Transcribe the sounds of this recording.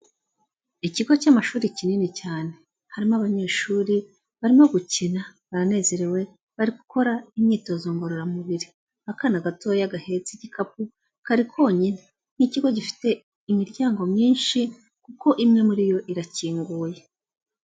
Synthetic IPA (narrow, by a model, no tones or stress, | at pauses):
iciɡo̞camaʃuːɾicininicaːne̞ | haɾimoaβaɲe̞ːʃuːɾi | βaɾimo̞ɡucinaβaɾane̞ːze̞ɾewe̞ | βaɾiku̥kʰo̞ɾaimɲiːto̞zoŋɡo̞ɾoɾamuβiɾi | akanaɡato̞jaɡahe̞t͡siɟikap̚u | kaɾikʰo̞ːɲine | n̥iciɡo̞ɟifi̥te̞ | imiɾɟaːŋɡo̞mɲiːnʃi | kuko̞ʔimŋe̞muɾijo̞ʔiɾaciːŋɡuːje̞